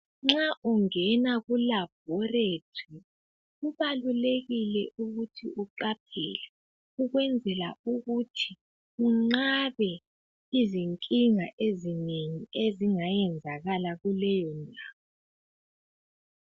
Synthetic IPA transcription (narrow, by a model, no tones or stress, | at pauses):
ŋ͡ǁaʔuŋɛnaɣulab̥̚ʱɔretʰi | uβaluleɣilɛʔuɣutʰiʔuǃap̚ʰɛ̰lɛ | uɣwɛnd͡zʱɛla̰uɣutʰi | uŋ͡ǁaβɛ | iziŋkʼiŋaʔezineŋieziŋajɛnd͡zʱaɣalaɣulɛjɔndʱaːwɔ